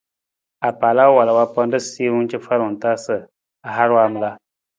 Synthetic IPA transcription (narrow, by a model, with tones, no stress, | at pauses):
a˨paː˨la˦wa˨la˨wa˦pa˦n˦dɨ˦si˦wʊ˦n˦t͡ʃɪ˦fa˦ɾʊ˨ŋ̩˨ta˦sɨ˨ | a˨ɦa˦ɾwa˦˨m˨la˦